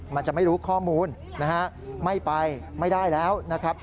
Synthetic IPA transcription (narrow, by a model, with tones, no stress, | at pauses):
ma˧nt͡ɕa˨˩ʔma˥˩jɾuː˦˥kʰɔː˥˩muː˧nːa˦˥ha˦˥ʔ | ma˥˩jpa˧jma˥˩jdaː˥˩jlɛː˦˥wna˦˥kʰɾa˦˥p̚